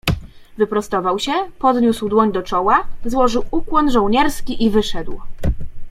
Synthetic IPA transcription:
vɘpɾɔst̪ɔvawɕɛpɔd̪ɲuswd̪wɔɲd̪ɔt͡ʂɔwazwɔʐɘwukwɔnʐɔwɲɛɾskʲiʔivɘʂɛd̪w

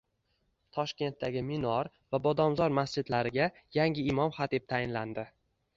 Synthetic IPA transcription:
t̪ʰɒʃkʲe̞nt̪ːaɡʲɪmɪnɒɾ | vabɒd̪ɒmzɒɾmast͡ʃɪd̪laɾɪɡʲa | jaŋʲɪɪmɒmχat̪ɪp̚t̪ʰajɪnland̪ɪ

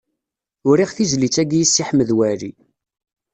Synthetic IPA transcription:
ʊɾiʁθizlit͡sːæɡjisːiħməðwæɾi

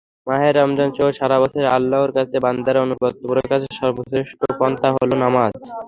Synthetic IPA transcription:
maɦeɾːamd͡ʑɔnt͡ɕoʃaɾabasʰeɾa̰lːaoɾkat͡ɕʰeband̪aɾonubɔt̪̚ːopɾokat͡ɕʰeʃɔɾboseʃʈopɔnt̪aɦolonamad͡ʑ

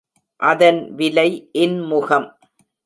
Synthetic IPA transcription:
ʔɐðɐnʋɪlɐɪʔɪnmʊɣɐm

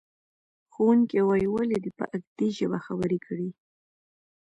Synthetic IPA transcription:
xowuŋkewajwaled̪ipə̰ʔaɡd̪iʒəbaxabəɾikʰəɽi

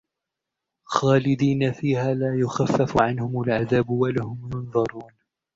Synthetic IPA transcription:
xaːlɪd̪iːnafiːhaːlaːjʊxafːafʕanhʊmalʕaðaːbwalahʊmjʊnðˤɑɾˤuːn

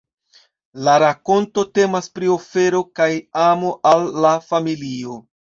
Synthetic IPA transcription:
laɾako̞ntote̞maspɾio̞fe̞ɾo̞kajamo̞ʔalːafamilio̞

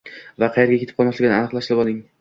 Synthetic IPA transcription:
vaqʰɑjeɾɡʲakʲʰet̪ʰɪ̥pqʰɒlˠmaʃlɪɡʲɪnɪanɨqlˠaʃlɪbɒd̪ɪŋ

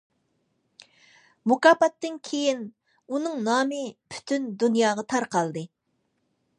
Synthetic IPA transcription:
mukɑːpɑt̪ːɨnkʲʰejin | unɨŋnɑːmɨpʰy̥t̪ʰynd̪unjɑːʁɑt̪ʰɑɾqɑlˠd̪ɨ

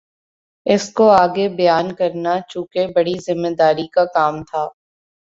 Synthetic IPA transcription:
ɪskoaːɡebɐjaːnkɐɾnat͡ʃũːkebɐɽizɪmːeːd̪aːɾikakaːmt̪ʰaː

